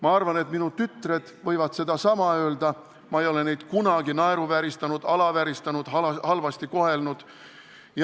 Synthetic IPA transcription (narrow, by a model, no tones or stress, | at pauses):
mɑɑrvɑnet̪minut̪yt̪ːˑre̞d̪̥vɤ̞jvɑt̪se̞d̪ɑsɑmɑø̞ːld̪ɑ | mɑejo̞le̞ne̞jd̪̥kunɑɡ̥inɑeɾuvæɾist̪ɑnud̪̥ɑlɑvæɾist̪ɑnud̪̥hhɑlvɑst̪iko̞he̞lnud̪̥ | jɑ